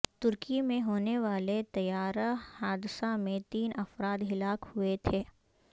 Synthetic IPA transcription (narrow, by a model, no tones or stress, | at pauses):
t̪ʊɾkimẽɦoːneʋaːlet̪ɐjaːɾahaːd̪ɪsamẽt̪iːnɐfɾaːd̪ɦɪlaːkhʊet̪ʰeː